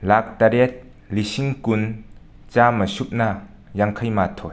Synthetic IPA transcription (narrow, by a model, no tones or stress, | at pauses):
lak̚t̪ɐɾɛt̪̚ | lisiŋkun | t͡saːməsup̚na | jaŋkʰɐjmat̪ʰɔj